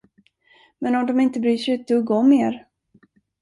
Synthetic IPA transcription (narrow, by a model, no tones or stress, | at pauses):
mɛnɔmd̪ɔmɪnt̪əbɾyːʂɛjʉːt̪̚d̪ɵɡɔmːeːɾ